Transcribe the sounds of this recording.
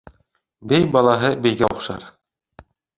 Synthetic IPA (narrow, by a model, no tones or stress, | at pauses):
bɘjbɑlˠɑɦɤbɘ̆jɡæoχʃɑ̰ɾ